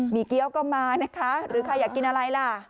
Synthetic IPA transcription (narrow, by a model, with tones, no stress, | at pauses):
miː˨˩˦ki˧əwkɔː˥˩maː˧na˦˥kʰa˦˥ɾɯː˩˦kʰa˧jaː˨˩kːi˧nʔa˧ɾa˧jla˧˩